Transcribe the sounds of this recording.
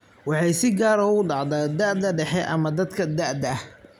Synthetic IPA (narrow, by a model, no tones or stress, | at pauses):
wɑħɑjsɪɡaːɾɔʊɖɑʕd̪ɐd̪ɐʕd̪ɐɖɛħɛʔɐ̰mɐd̪ɐd̪kʰɐd̪ɐʕd̪ɐh